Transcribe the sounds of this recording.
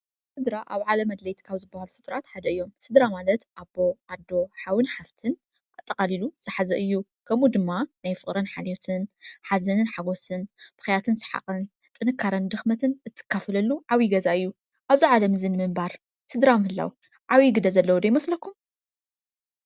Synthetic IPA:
sɨd̪ɾaʔaβʕalɐmɐd̪lɐjt̪ʰkʰawzɨbːɐhalufɨt̪ʼɾat̪ħad̪ɐɨjːo̞msɨd̪ɾamalɐt̪ʔabo̞ʔad̪ːo̞ħawɨnħast̪ʰɨn | ʔat̪ʼːɐqʼaliluz̥ɨħazɐʔɨjːukʰɐmud̪ɨmːanajfɨχʼɾɐnħaljot̪ʰɨnħazɐnɨnħaɡo̞sɨnb̥ɨ̥xjat̪ʰɨnsɨ̥ħa̰χʼɨn | t͡s̪ʼɨnɨkʰːaɾɐnd̪ɨxmɐt̪ʰɨnɨt̪ʰːɨ̥kʰːafɐlɐlːuʕawiɡɐzaɨjːu | ʔaβziʕalɐmɨzɨnɨmɨmbaɾ | sɨd̪ɾamhɨlːa̰wu | ʕawiɡɨd̪ɐzɐlːɐwud̪ɐjmɐslɐkʰːum

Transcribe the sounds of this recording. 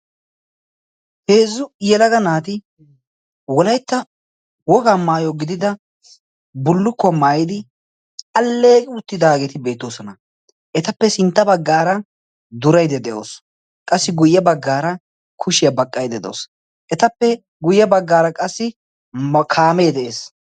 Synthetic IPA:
heːzːʊjɛlɐɡɐnaːt̪ɪ | wɔlɐjt̪ːɐ | wɔɡamaːjoɡɪd̪ɪd̪ɐ | bʊlːʊkːɔmaːjɪd̪ɪ | ɐlːe̞ːkʼɪʊt̪ːɪd̪aːɡɛt̪ɪbe̞ːt̪ːoːsɔnɐ | ʔɛt̪ɐpːɛsɪnt̪ːɐbɐɡːaːɾɐ | d̪ʊɾɐjd̪ɛd̪ɛʔo̰ːs | kʼɐsːɪɡʊjːɐbɐɡːaːɾɐ | kʰʊʃɪjɐbɐkʼːɐjd̪ɛd̪o̰ːs | ʔɛt̪ɐpːɛ | ɡʊjːɐbɐɡːaːɾɐkʼɐsːɪ | kʰaːmeːd̪ɛʔeːs

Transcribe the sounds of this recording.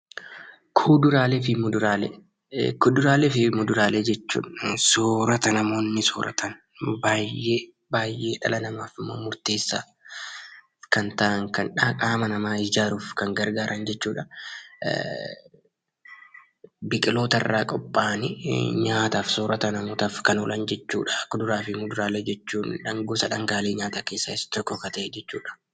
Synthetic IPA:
kʰʊːd̪ʊɾaːlefɪmʊd̪ʊɾaːle | kʊd̪ʊɾaːlɛfɪmʊd̪ʊɾaːleːd͡ʒɛt͡ʃːṵːᶑsoːɾɐt̪ɐnɐmo̞ːnːɪsoːɾʔɐ̰t̪ʰɐn | baːjeː | baːjʔe̞ːᶑɐ̰lɐnɐmaːfɪmːo̰ːmʊɾt̪e̞ːsːaː | kɐnt̪ɐʔɐŋkɐnᶑakʼaːmɐnɐmaːɪd͡ʒaːɾuːfkɐŋɡɐɾɡaːɾʔɐnd͡ʒɛt͡ʃːuːᶑɐ | bɪkʼɪlo̞ːt̪ɐrːaːkʼɔpʼːaːnɪɲaːt̪aːfsoːɾɐt̪ɐnɐmoːt̪aːfkɐnɔlʔɐnd͡ʒɛt͡ʃːṵːᶑɐkːʊd̪ʊɾaːfɪmʊd̪ʊɾaːled͡ʒɛt͡ʃːuːnᶑɐŋɡoːsɐᶑɐŋɡaːleːɲaːt̪ɐke̞ːsːaɪst̪ɔkːɔkɐt̪ɐʔɛd͡ʒɛt͡ʃːṵːᶑɐ̥

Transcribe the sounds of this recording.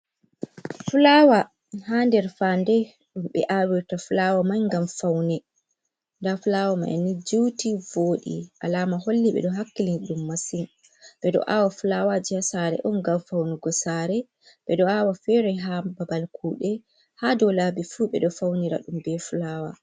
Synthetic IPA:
fulaːwa | handɛɾfandɛ | ɗumɓɛ̰ʔawiɾtafulawamajŋɡamfawnɛ | ndafulawama̰ja̰nid͡ʒuwtivoːɗḭʔa̰laːmaholːiɓɛ̰ɗɔɦakːilinɗumːasin | ɓɛɗɔ̰ʔawafulawad͡ʒiasaɾɛ̰ʔɔnɡamfawnɛɡɔsaɾɛ | ɓɛɗɔawafɛɾɛɦababalkʰuːɗɛ | hadɔlaːbifuɓɛ̰ɗɔfawniɾa̰ɗumbɛfulawa̰

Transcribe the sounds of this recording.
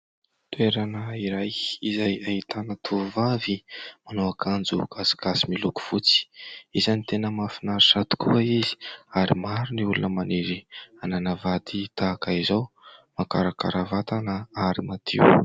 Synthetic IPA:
t̪ueɾanəiɾajizajait̪anət̪ʰuvavimanowakʰand͡zuɡ̥asi̥ɡasimiluku̥fut͡si̥izanit̪enəmafinaɾisat̪u̥kuəizi̥aɾimaɾuniulunəmaneɾiananəvat̪ʰit̪aːkaizaw | makaɾakaɾavat̪anəaɾimat̪ʰḭu

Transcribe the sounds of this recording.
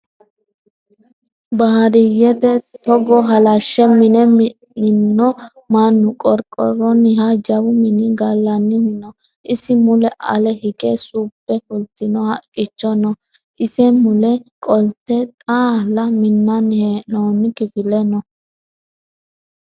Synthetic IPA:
bɐhɐɾɪjɛt̪ɛt̪ɔɡɔɦɐlɐʃːɛmɪnɛmɪ | ɪnːɔ | manːʊkʼɔɾkʼɔ̰rɔnɪɦad͡ʒɐbʊmɪnɪɡɐlːɐnːɪmɪnɔ | ʔɪsɪmʊlɛʔɐ̰lɛhɪkʼesuːpːɛfʊlt̪ːɪnɔhɐkʼːɪt͡ʃːɔnɔ | ʔɪsɛmʊlɛkʼɔlt̪ːɛt̪ʼaːlːɐmɪnːɐnheːnoːnɪkɪfɪlɛnɔ

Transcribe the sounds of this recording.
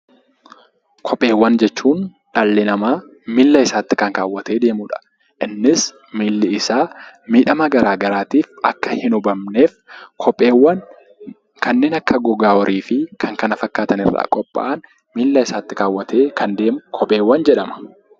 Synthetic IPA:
kʰɔpʼːe̞ːwːɐnd͡ʒɛt͡ʃːuːn | ᶑalːɪnɐmaː | mɪlːɐɪsaːt̪ːɪ̥kɐŋkaːwːɐt̪e̞ːd̪e̞ːmʊᶑɐ̥ | ʔɪnːɪs | mɪlːɪɪsaːmiːᶑɐmɐɡɐɾaːɡɐɾaːt̪iːfɐ̰kːɐhɪnʊbɐmne̞ːfkʰɔwɐn | kʰɐnːe̞ːnɐkːɐɡɔɡaːɔɾʔiːfɪkʰɐŋkɐnɐfɐkːaːt̪ɐnɪrːa̰ːkʼɔpʼːa̰ʔɐn | milːɐɪsaːt̪ːɪkaːwːɐt̪ʰeːkʰɐnd̪eːkʰɔpʼe̞ːwːɐnd͡ʒɛᶑɐmɐ̥

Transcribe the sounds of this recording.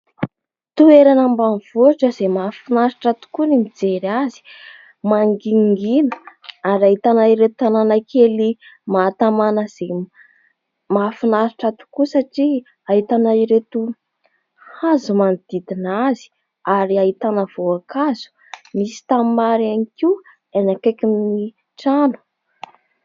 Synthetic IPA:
t̪ueɾanəmbanv̥oʈ͡ʂəz̥emafinaɾiʈ͡ʂat̪u̥kunimid͡zeɾiazi̥ | maŋɡiŋɡinəaɾaɦit̪anaiɾet̪ananakʰelimat̪amanəz̥e | mafinazuʈ͡ʂat̪u̥kusaʈ͡ʂi | aɦit̪anaiɾet̪u | hazumanid̪̥id̪inazi̥ | aɾiaɦit̪anəv̥oakaz̥u̥ | misi̥t̪amaɾaniki | enakekini | ʈ͡ʂanu̥

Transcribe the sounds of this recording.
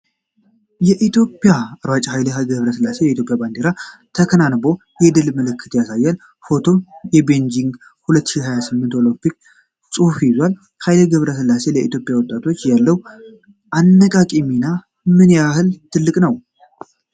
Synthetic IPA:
jɛʔit̪ʰjo̞pʼːjaaɾwat͡ʃʼaɦajləɡəβɾəsɨlːase̞jɛit̪jo̞pʼjaband̪eɾat̪ʰəkʰənanbo̞ | jɛd̪ɨlməlɨkʰːɨt̪jasajːal | fo̞t̪ʰo̞jɛbe̞nd͡ʒiŋɡ | hulət̪ːʃihajasɨmːɨnt̪o̞lompik̚ | sʼufjizwal | hajləɡəβɾəsɨlːase̞ləit̪ʰjo̞pʼjawɔt̪ʼːat̪ʰo̞t͡ʃːjalːəw | ʔanːəkʼakʼimina | mɨnjahɨlt̪ʰɨlːɨkʼnəw

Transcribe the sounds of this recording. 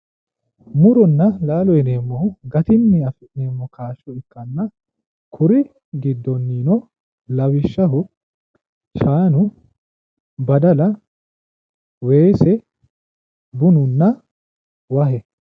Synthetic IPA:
mʊɾɔnːɐlaːlɔjɛneːmːɔhʊɡɐt̪ɪnːɪɐfɪʔneːmːɔkʰaːʃːɔɪkːɐnːɐ | kʰʊɾɪ | ɡɪd̪ːɔnːiːnɔ | lɐwɪʃːɐɦʊ | ʃaːnʊ | bɐd̪ɐlɐ | we̞ːsɛ | bʊnʊnːɐ | wɐhɛ

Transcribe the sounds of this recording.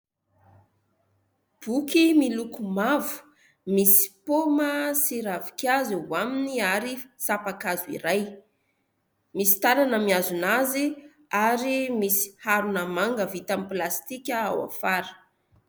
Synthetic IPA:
b̥ukimilukumavu̥ | misi̥poməsiɾavikʲjaziwaminiaɾisapakazuḭɾaj | misi̥t̪alanəmiazunazi | aɾimisi̥haɾunəmaŋɡəvit̪amiplast̪ikʲəa̰wa̰faɾə̥

